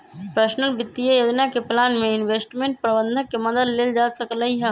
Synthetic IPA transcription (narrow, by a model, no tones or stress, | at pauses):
pɾəʃnəlbɪt̪ːijəjoːd͡ʒnakeplaːnmẽɪnweːsʈmẽːɳʈ̚pɾəbə̃nd̪ʱə̃kemɐd̪əd̪leːld͡ʒaːsəkləɦiɦɛ